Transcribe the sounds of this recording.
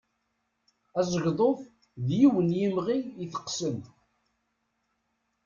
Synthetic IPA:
æzˤəʝðˤoθ | ðjiwənjimʁijiθə̥qːsəm

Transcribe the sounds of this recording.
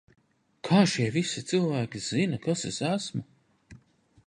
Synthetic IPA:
kʰaːʃiɛvisit̪sɨlˠvæːkʲiz̥inakasesæsmu

